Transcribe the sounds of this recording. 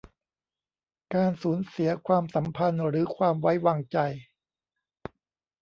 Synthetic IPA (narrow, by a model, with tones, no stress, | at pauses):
kaː˧nsuː˩˦nsi˨˩˦ɐkʰwaː˧msa˩˦mpʰa˧nɾɯː˩˦kʰwaː˧mwa˦˥jwaː˧ŋt͡ɕa˧j